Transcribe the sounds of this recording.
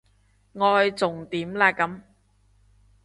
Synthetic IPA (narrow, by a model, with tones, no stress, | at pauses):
ŋɔː˨˧jt͡sʊ˨ŋt̪iː˨˥mlaː˧kːɐ˨˥m